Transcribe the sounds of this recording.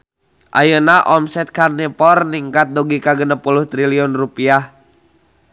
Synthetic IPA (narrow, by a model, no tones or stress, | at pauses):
ʔa̰jənaʔɔmsɛt̪̚karnipɔrniŋkat̪̚dɔɡikaɡənəpuluht̪ɾiliɔnrupiah